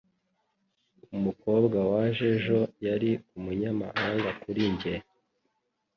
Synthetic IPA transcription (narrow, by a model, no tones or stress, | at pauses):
umuko̞ːbɡawaʒeʒo̞jaɾiumuɲama̰haːŋɡakuɾiɲɟe